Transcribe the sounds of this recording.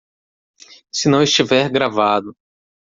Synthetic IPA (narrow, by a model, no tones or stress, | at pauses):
sɪnɐ̃w̃ɪst͡ʃivɛɾɡɾavad̪ʊ